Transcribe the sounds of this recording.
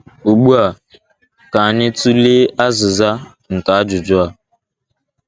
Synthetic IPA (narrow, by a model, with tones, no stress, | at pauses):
o˨ɡ͡bu˦a˨ | ka˨a˨ɲɪ˦tu˦le˦a˦zʊ˨za˦ | ŋ̩˨ka˨˦d͡ʒʊ˨d͡ʒʊ˦a˨